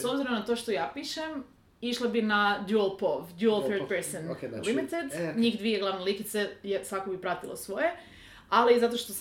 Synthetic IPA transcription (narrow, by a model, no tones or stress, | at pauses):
sobziɾomnat̪oʃt̪o̞jaːpiːʃem | iʃlˠabinad̪julˠpovd̪juelˠθøɾd̚peɾsonlimit̪ed̪ɲiːxd̪ʋieɡlˠaʋnelikit̪sejesakobipɾat̪ilˠo̰sʋo̞je | alizat̪o̞ʃt̪os